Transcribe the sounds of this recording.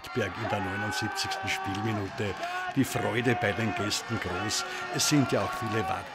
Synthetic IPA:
tb̥ɛɐkɪndeːɐnɔʏnʊntz̥ip̚t͡sɪçstn̩ʃpiːlminuːtəd̥iːfʁɔʏdəbaɪdeːnɡ̥ɛstn̩ɡ̥ʁoːs | ɛsːɪ̃ntjaaʊxfiːləva̰t

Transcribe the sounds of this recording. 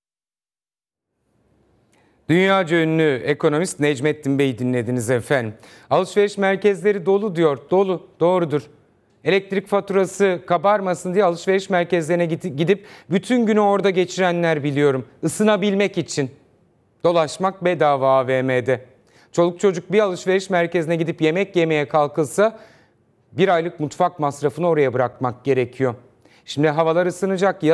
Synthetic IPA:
d̪̥ynjaːd͡ʒøynːʲyekʰo̞no̞mist̪nɛd͡ʒmɛt̪̚ːimbe̞jid̪inlːʲe̞d̪inizɛfænd̪im | alˠɯʃve̞ɾiʃmæɾcɛzlʲe̞ɾid̪o̞lˠud̪ijo̞ɾd̪o̞lˠud̪̥o̞ːɾud̪uɾ̥ | e̞lʲɛc̚t̪ɾicfat̪ʰuɾasɯkʰabaɾmasɯnd̪ijɛalˠɯʃve̞ɾiʃmæɾcɛzlʲeɾinɛɟid̪ip̚byt̪ʰynɟynyo̞ɾd̪aɟe̞t͡ʃʰiɾænlʲæɾbilʲijo̞ɾumɯsɯnabilʲmɛcit͡ʃʰin | d̪̥o̞lˠaʃmak̚bɛd̪aːvaːveːmed̪ɛ | t͡ʃʰo̞lˠuk̚t͡ʃʰo̞d͡ʒuk̚bialˠɯʃve̞ɾiʃmæɾcezinɛɟid̪ipje̞mɛcje̞me̞jɛkʰalˠkɯlˠsa | biɾajlˠɯkmut̪fak̚masɾafɯnɯo̞ɾajabɯɾakmak̚ɟ̥e̞ɾecʰijo̞ | ʃimd̪iɦavalˠaɾɯsɯnɯd͡ʒakja

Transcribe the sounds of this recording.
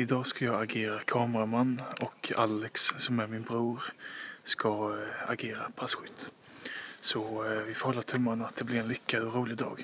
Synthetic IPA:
ɪd̪ɑːskajɑːɡaɡeːɾakʰɑːmɾamanːɔkʰa̰lːɛkssɔmæɾmɪnbɾuːɾskaa̰ɡeːɾapʰɾasɧʏt̪ː | sɔvɪfɔɾhɔlːat̪ʰɵmːanat̪̚d̪ɛblɪɾɛnlʏkːad̪ɔɾuːlɪd̪ɑ̰ːɡ

